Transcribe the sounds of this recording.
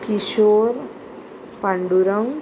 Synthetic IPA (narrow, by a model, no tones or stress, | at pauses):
kiʃoːɾ | paɳɖuɾəŋ